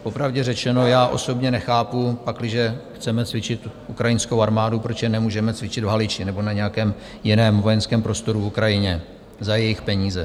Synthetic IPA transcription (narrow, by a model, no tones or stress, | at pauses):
po̞pɾavɟɛrɛt͡ʃɛno̞jaːʔo̞so̞bɲɛnɛxaːpupaklɪʒɛxt͡sɛmɛt͡svɪt͡ʃɪt̪ʔukɾajɪnskowaɾmaːdupɾot͡ʃjɛnɛmuːʒɛmɛt͡svɪt͡ʃɪd̪vɦalɪt͡ʃɪnɛbo̞naɲɛjakɛːm | jɪnɛːmvo̞jɛnskɛːmpɾo̞st̪o̞ɾuvukɾajɪɲɛ | zajɛjɪxpɛɲiːzɛ